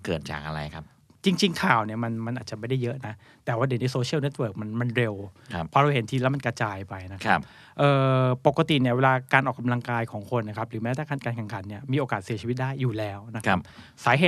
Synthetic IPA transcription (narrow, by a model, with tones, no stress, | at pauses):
kɤː˨˩t̪̚t͡ɕa̰ː˨˩k̚ʔa̰˧ɾa̰˧jkʰa˦˥p̚ | t͡ɕi˧ŋt͡ɕi˧ŋkʰaː˨˩wni˥˩ɐma˧nma˧nʔaː˨˩t̪̚t͡ɕa˨˩ma˥˩jda˥˩jɤ˦˥ʔna˦˥ | t̪ɛː˨˩waː˥˩de˨˩˦ni˧˦soː˧t͡ɕʰi˦˥˨wne˦˥t̪̚wɤː˧˩k̚ma˧nma˧nɾe˧wʰpʰɔː˧ɾa˧whe˩˦nt̪ʰiː˧lɛː˦˥wma˧nkɾa˧t͡ɕaː˧jpa˧jna˦˥kʰa˦˥p̚ | ʔɤː˨˩po˨˩kːa˧t̪i˨˩ni˥˩ɐweː˧laː˧kaː˧nʔɔː˨˩kːa˧mla˧ŋkaː˧jkʰɔː˩˦ŋkʰo˧nːa˧˥kʰa˦˥p̚ɾɯː˩˦mɛː˦˥t̪ʰaː˥˩kaː˧˥nkaː˧nkʰɛ˨˩ŋkʰa˨˩˦nni˥˩ɐmiː˧ʔoː˧kaː˨˩t̪̚si˩˦t͡ɕi˧i˦˥t̪̚daː˥˩jːuː˨˩lɛː˦˥wna˦˥kʰa˦˥p̚ | saː˩˦ɦeː˨˩